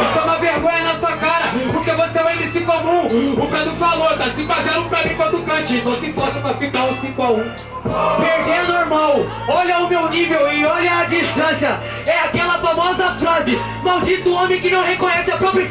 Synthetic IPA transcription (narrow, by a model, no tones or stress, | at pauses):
t̪õmɐveɾɡõɲ̃ɐnɐsuɐkaɾɐpʊɾkevoseãɛ̃j̃d̪isĩkʊamũʊpɾad̪ʊfaloɾt̪asĩfazeɾũpɾad̪ɾĩkoɾd̪ukɐ̃t͡ʃɪ̃võsĩpɔd͡ʒũmɐfit̪aʊ̃sĩkʊaũ | peɾd̪eɐnoɾmaw | ɔʎɐʊmewnivewɪɔʎɐːd͡ʒiʃt̪ɐ̃sjɐ | ɛakɛlɐfamɔzɐfɾazɪ | mawd͡ʒit̪ʊõmẽj̃kɪnɐ̃w̃hekõɲɛsɪapɾɔpɾɐ